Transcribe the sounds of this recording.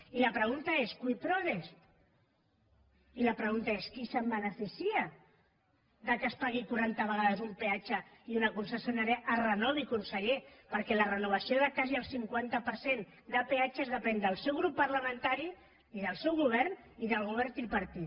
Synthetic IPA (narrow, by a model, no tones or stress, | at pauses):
ilapɾəɣ̞unt̪aeskwuit̪ɾɔɾes | ilapɾəɣunt̪aeskisəmbənəfisia | ðəkəspaɣikuɾant̪aβəɣaðəzumpeat͡ʃəiunakunsəsjunaɾeʔarənɔðikunsəʎepəɾkɛlərənuβ̞asioðəkaziəlˠsiŋkwant̪apəɾsen | d̪əpeat͡ʃezðəpɛnd̪əlˠsɛwɣɾupːɐɾləmə̃nt̪aɾi | iðəlˠsɛwɣuβ̞ɛɾn | iðəlˠɣ̞uβ̞ɛɾt̪ilpɐɾt̪it̪